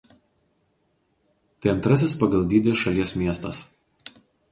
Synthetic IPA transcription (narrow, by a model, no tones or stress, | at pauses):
t̪ɐɪɐnt̪ɾɐs̬ʲɪspɐɡɐlˠd̪ʲiːd̪ʲɛsʃɐlʲiɛsmʲiɛst̪ɐs